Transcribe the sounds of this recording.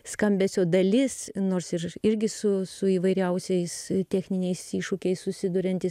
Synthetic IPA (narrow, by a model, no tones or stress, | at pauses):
skɐmʲbʲɛsʲoːd̪ɐlʲɪsnoːɾsɪrɪɾʲɡʲɪsʊsʊiːʋɐɪɾʲɛʊsʲɛɪst̪ʲæːxʲnʲɪnʲɛɪsiːʃuːkʲɛɪssʊsʲɪd̪ʊɾʲɛnʲt̪ʲɪs